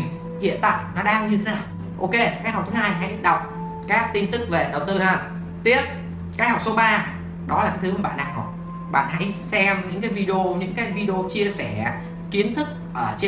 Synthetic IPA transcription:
ŋ | hḭ˧˨ənt̪a̰ː˧˨jnɔ˨˦ɗaː˧ɲɨ˧t̪ʰe˨˦naː˨˩w | ʔo˧ke˧kaː˦˥k̚ha˨˩k͡p̚t̪ʰɦaː˧jɦa̰˧˥jɗə˨˩wk͡p̚ | kaː˦˥k̚t̪i˧nt̪ɨ˦˥k̚ve˨˩ɗə˨˩wt̪ɨ˧həː˧˩ | t̪i˦˥əp̚ | kaː˦˥k̚hɔ˨˩k͡p̚so˧ɓaː˧ | ɗɔ˨˦la˨˩kaː˨˦jt̪ɨ˨˦ku˨˩ɓa̰ː˧˨na˨˩ŋɔ˨˩ | ɓa̰ː˧˨nɦa̰˧˥jsɛ˧mɲɨ̰˧˥ŋkaː˨˦jvi˧ɗə˧o˧ɲɨ̰˧˥ŋkaː˨˦jvi˧ɗə˧o˧t͡ɕi˧əsɛ˧˩ | ki˨˦ənt̪ʰɨ˦˥k̚ʔəː˧˩t͡ɕe˧

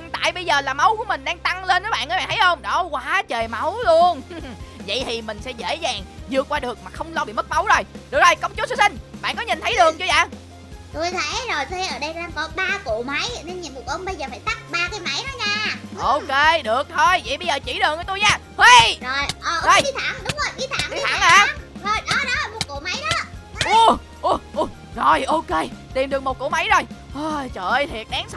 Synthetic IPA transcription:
ɨ˨˩ŋt̪a̰ː˧˨jɓə˧jzəː˨˩laː˨˩ma˨˦wku˧˥əmï˨˩ŋ̟ɗaː˧ŋt̪a˧ŋle˧nːɔ˨˦ɓa̰ː˧˨nʔəː˧˦a̰ː˧˨nʰ˨˦jhə˧wŋ͡mɗɔ˨˦kwaː˨˦t͡ɕəː˨˩jma˨˦wlu˧ənvə̰˧˨jt̪ʰi˨˩mï˨˩ŋ̟sɛ̰˧˥zḛ˧˥zaː˨˩ŋzɨ˨˩əkːwaː˧ɗɨ˨˩ək̚maː˨˩xə˧wŋ͡mlɔ˧ɓḭ˧˨mə˦˥t̚ma˨˦wzo˨˩jɗɨ˨˩ək̚ɗə˨˩jkə˧wŋ͡mt͡ɕu˦˥t̚sɨ˧sï˧ŋɓa̰˧˨nkɔ˨˦ɲi˨˩nt̪ʰə˨˦jɗɨ˨˩ək̚t͡ɕu˧za̰ː˧˥ | t̪u˧jt̪ʰḛ˧˥zo˨˩jt̪u˧a˧˩ʔəː˧˩ɗə˧jt̪ʔaː˧mkɔ˨˦ɓaː˧kṵ˧˨ma˨˦jne˧nɲi˨˩mu˨˩k̚ʔə˧ŋ͡mɓə˧jzəː˨˩faː˧˩jt̪a˦˥k̚ɓaː˧kaː˨˦jma˨˦jnɔ˨˦ɲaː˧ʔʔo˧ke˧ɗɨ˨˩ək̚t̪ʰo˧jvḭ˧˨jɓə˧jzəː˨˩t͡ɕi˧˩ɗɨ˨˩əkːt̪u˧jɲaː˧˩hwi˧zo˨˩jʔəː˨˩ʔho˧˩ji˨˧˦t̪ʰaː˧˩˦ŋɗʊ˨˦wŋ͡mzo˨˩jɓi˨˧˦t̪ʰaː˧˩ŋ˧˨˧t̪ʰa˧˩˨ŋa˨˧˨zo˧˩jɗɔ˨˦ɗɔ˨˦laː˨˩mu˨˧t̚kṵ˧˨ma˨˦jɗɔ˨˦ʔu˧ | ʔu˧˩ʔu˧ | zo˨˩jʔo˧ke˧t̪i˨˩mɗɨ˨˩ək̚mo˨˩t̚kṵ˧˩ma˨˦jzo˨˩jʔəː˧˩t͡ɕə̰ː˧˨jt̪ʰi˨˩ət̚ɗaː˨˦ŋsa˦

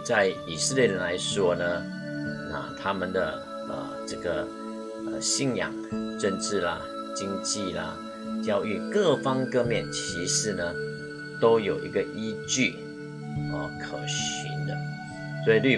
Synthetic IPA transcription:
t͡sa˥˩ɪi˨˩sə˥˧ljɛ˥˩ɻə˧˦nla˧˥ɪʂwɔ˥nə˨ | la̰˨˩t̪ʰa˥mə˨nd̪ə˩ | ə̰˨˩ʈ͡ʂə˥˩ɡə˩ | ə̰˨ɕi˥˧˨njɑ̰˨˩ŋʈ͡ʂə˥˧nʈ͡ʂɻ̩˥˩lɐ̰˩ | t͡ɕi˥ŋt͡ɕi˥˨˩lə̰˩ | t͡ɕjɑ˥˧ʊy˥˧kɤ˥˧fɑ˥ŋkɤ˥˧mjɛ˥˨nt͡ɕʰi˧˥ʂɻ̩˧˥˦nə˨ | t̪o˥ʊjo˨˩ʊʔḭ˧˥ɡə˨ʔi˥t͡ɕy˥˩ | ə˧kʰə˨˩ʊɕy̰˧˦nd̪ə˧ | swɔ˧˥i˨ly˥˩

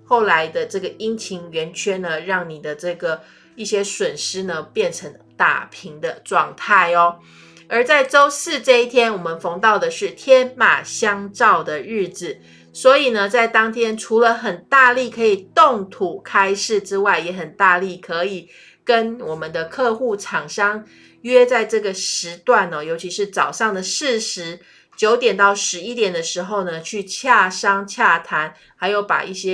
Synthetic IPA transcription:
xo˥˩ʊla˧˦ɪd̪ə˧ʈ͡ʂɤ˥˩ɡə˩i˥ŋt͡ɕʰi˧˥ŋɥɛ˧˥nt͡ɕʰɥɛ˥nə˧ɻɑ˥˩ŋni˨˩d̪ə˦ʈ͡ʂɤ˥˩ɡə˩ | i˥˩ɕjɛ˥swə˨˩nʂɻ̩˥nə˧pjɛ˥˩nʈ͡ʂʰə˧˥ŋ | t̪a̰˥˩pʰi˧˥ŋd̪ə˧ʈ͡ʂwɑ˥˧ŋt̪ʰa˥˩ɪɔ˦ | ə˞˧˥t͡sa˥˩ɪʈ͡ʂo˥ʊsɹ̩˥˧ʈ͡ʂɤ˥˧i˥˩t̪ʰjɛ˥nwɔ˨˩mə˨nfo˧˥ŋt̪ɑ˥˩ʊd̪ə˩ʂɻ̩˥˩t̪ʰjɛ˥nma̰˨˩ɕjɑ˥ŋʈ͡ʂɑ˥˩ʊd̪ə˩ɻɻ̩˥˩d͡z̩˨˩ | swɔ˧˥i˨˩nə˦t͡sa˥˩ɪt̪ɑ˥ŋt̪ʰjɛ˥nʈ͡ʂʰu˧˥lə˧xə˨˩nt̪a˥˧li˥˩kʰɤ˧˥i˨˩t̪o˥˩ŋt̪ʰu˨˩kʰa˥ɪʂɻ̩˥˩ʈ͡ʂɻ̩˥wa˥˩ɪjɛ˧˥xə˨˩nt̪a˥˧li˥˨˩kʰɤ˧˦i˨˩ | kə˦nwɔ˨˩mə˨˦nd̪ə˨kʰɤ˥˧xu˥˩ʈ͡ʂʰɑ˨˩ŋʂɑ˥ŋ | ɥɛ˥t͡sa˥˧ɪʈ͡ʂɤ˥˩ɡə˩ʂɻ̩˧˥t̪wa˥˩nɔ˨˩jo˧ʊt͡ɕʰi˧˥ʂɻ̩˥˩t͡sɑ˨˩ʊʂɑ˥˩ŋd̪ə˩ʂɻ̩˥˩ʂɻ̩˧˥˦ | t͡ɕjo˧˥ʊt̪jɛ˨˩nt̪ɑ˥˩ʊʂɻ̩˧˥i˦˥t̪jɛ˨˩nd̪ə˩˦ʂɻ̩˧˥xo˥˧ʊnə˨t͡ɕʰy˥˧t͡ɕʰja˥˩ʂɑ˥ŋt͡ɕʰja˥˩t̪ʰa˧˦n | xa˧˥ɪjo˥˩ʊpa̰˨˩ʔi˥˩ɕjɛ˥

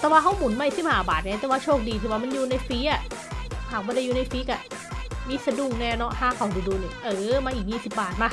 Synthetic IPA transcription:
t̪ɛː˨˩waː˧ɦa˧˥wmu˨˩˦nma˧˩˨si˧˥p̚haː˧˨˧baː˨˩t̪̚ɲa˧˥t̪ɛː˧˩waː˧t͡ɕʰoː˥˩k̚diː˧iː˧˩waː˧ma˧njuː˧na˧jfiː˦˥ʔa˨˩haː˨˩mɔː˧˦la˧˩juː˧na˧jfiː˦˥ka˧˩ | miː˧sa˧du˧˩ŋnɛː˧˩nɔ˦˥haː˧˩kʰa˧˩wdiː˧˩duː˧ni˨˩ʔɤː˨˧˦maː˧ʔiː˨˩k̚jiː˥˩si˨˩p̚baː˨˩t̪̚maː˧˩

